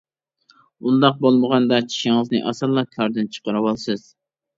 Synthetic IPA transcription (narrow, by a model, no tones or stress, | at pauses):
und̪ɑq̚bolˠməʁɑnd̪ɑt͡ʃʰi̥ʃiŋɨznɨʔɑsɑlˠːɑkʲʰɑɾd̪ɨnt͡ʃʰə̥qəɾɨwɑlˠsɨz̥